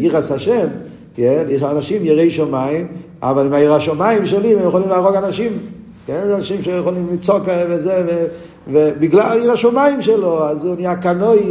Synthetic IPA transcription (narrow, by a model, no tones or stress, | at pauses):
iʁashaʃɛm | kenjɛʃanaʃimjiʁejʃomaim | a̰valimaiʁaʃomaimʃelimɛmjexolimlaaʁoɡanaʃim | kenzeanaʃimʃejeχolimlit͡sokvezeve | vebiɡlaliʁaʃomaimʃeloazunijakanoj